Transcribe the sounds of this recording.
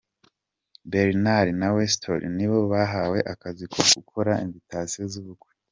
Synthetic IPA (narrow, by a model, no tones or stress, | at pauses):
beɾinaɾinawestʰo̰ɾḭniβo̞βaɦawe̞ʔakazikʰo̞ɡ̥ukʰoɾaimzitaːsiozuβukwe̥